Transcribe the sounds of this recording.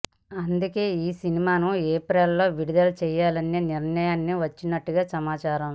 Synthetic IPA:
ɐnd̪uke̞ːiːsinimaːnueːpɾelːo̞ːʋiɽid̪ɐlɐt͡ʃɛːjaːlɐnːeniɾnɐjaːnːiʋɐt͡ʃːinɐʈːuɡaːsɐmaːt͡ʃaːɾɐm

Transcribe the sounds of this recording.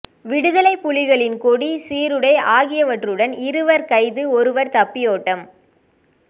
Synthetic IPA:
ʋɪɽɯðɐlɐɪpːʊlɪɣɐɭɪnkɔɽisiːɾɯɽɐɪʔaːɣɪjɐʋɐʈrɯɽɐnɪɾɯʋɐɾkɐɪðɯɔɾɯʋɐɾt̪ɐpːɪjoːʈːɐm

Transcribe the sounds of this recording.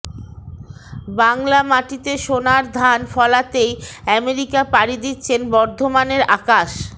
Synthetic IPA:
baŋlamaʈit̪eʃonaɾd̪ʱanfɔlat̪ejɛmeɾikapaɽid̪it̪ːɕʰenbɔɾd̪ʱomaneɾakaʃ

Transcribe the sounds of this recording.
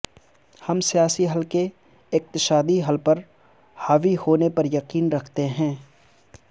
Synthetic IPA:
hɐmsijaːsiɦɐlke | ɪq̚t̪ɪʃaːd̪iɦɐlpɐɾ | haːʋihoːnepɐɾjɐqiːnɾɐkʰt̪eɦɛ̃ː

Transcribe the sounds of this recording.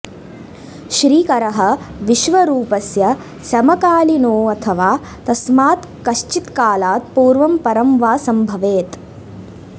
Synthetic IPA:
ʃɾiːkɐɾɐɦɐʋiʃʋɐɾuːpɐsjɐ | sɐmɐkaːlinoːɐt̪ʰɐʋaː | t̪ɐsmaːt̪ | kɐʃt͡ʃit̪kaːlaːt̪̚puːɾʋɐmpɐɾɐmʋaːsɐmbʱɐʋeːt̪

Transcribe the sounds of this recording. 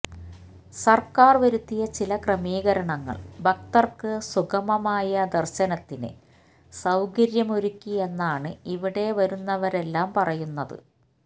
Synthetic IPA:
sɐrkaːrʋɐɾut̪ːijɐt͡ɕilɐkrɐmiːɣɐɾɐɳɐŋːɐ̰ɭbɐk̚t̪ɐrkɨsuɣɐmɐmaːjɐd̪ɐrɕɐnɐt̪ːinɨ̰ | sɐwɡɐɾjɐmoɾukʲːie̞nːaːɳɨiʋiɽe̞ʋɐɾunːɐʋɐɾe̞lːaːmpɐrɐjunːɐðɨ̰

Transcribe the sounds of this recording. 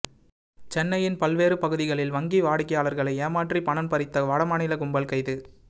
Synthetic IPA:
t͡ʃɛnːɐjɪnpɐlʋeːrɯpɐɣɯðɪɣɐɭɪlʋɐŋɡiʋaːɽɪkːɐjaːlɐɾɣɐɭɐɪeːmaːʈripɐɳɐnpɐɾɪt̪ːɐʋɐːɽɐmaːɳɪlɐkʊmbɐlkɐɪðɯ

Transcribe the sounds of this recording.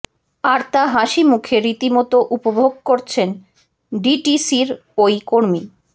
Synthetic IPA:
aɾt̪aɦaʃimukʰeɾit̪imɔt̪oʔupobʱoɡ̚koɾt͡ɕʰen | ɖiʈisiɾojkoɾmi

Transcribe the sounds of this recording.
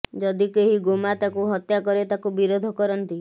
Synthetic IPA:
d͡ʒɔd̪ikeɦiɡomat̪akuɦɔt̪jakɔɾet̪akubiɾod̪ʱɔkɔɾɔnt̪i

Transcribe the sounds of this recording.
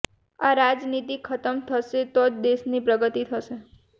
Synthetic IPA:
aɾad͡ʒnit̪ikʰət̪əmt̪ʰəʃet̪od̪eʃnipɾəɡət̪it̪ʰəʃe

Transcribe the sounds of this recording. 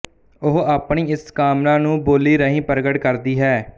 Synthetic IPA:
ʊɦaːpɳiːɪskaːmnãːnũːboːliːɾəɦĩːpəɾɡəʈkəɾd̪iːɦɛː

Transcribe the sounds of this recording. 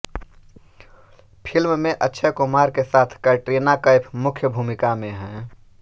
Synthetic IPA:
pʰɪlmmẽʔətːʃʰekʊmaːɾkesaːt̪ʰkəʈɾiːnakəɪpʰmʊkʰjəbʱuːmɪkamẽɦɛ̃ː

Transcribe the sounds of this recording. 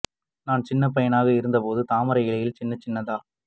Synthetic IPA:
naːnt͡ʃɪnːɐpɐjɐnaːɣɐɪɾɯnd̪ɐpoːðɯt̪aːmɐɾɐɪlɐjɪlt͡ʃɪnːɐt͡ʃːɪnːɐðaː

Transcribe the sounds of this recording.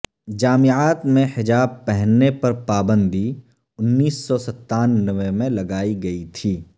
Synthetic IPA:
d͡ʒaːmɪaːt̪mẽhɪd͡ʒaːb̚pɛɦnːepɐɾpaːbə̃nd̪ʱi | ʊnːiːsːɔsɐt̪ːaːnːəʋemẽlɐɡaːiɡɐit̪ʰiː

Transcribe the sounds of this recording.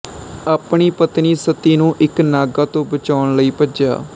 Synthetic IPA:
aːpɳiːpət̪niːsət̪iːnũːʔɪknaːɡaːt̪õːbət͡ʃaːʊɳləiːpəd͡ʒja̰ː

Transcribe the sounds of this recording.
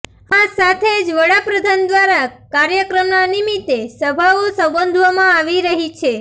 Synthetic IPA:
asat̪ʰed͡ʒʋəɽapɾəd̪ʱand̪ʋaɾakaɾjəkɾəmnanimit̪esəbʱaʋosə̃bənd̪ʱʋamãaʋiɾəɦit͡ʃʰe

